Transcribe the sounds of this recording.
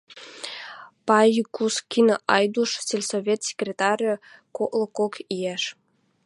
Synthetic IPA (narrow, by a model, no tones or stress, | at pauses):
pɑjukuskʲinoʔɑjd̪uʃt͡sʲelʲsovʲet̪sʲe̥krʲet̪ɑrʲɤkoʔlˠŏkokijeʃ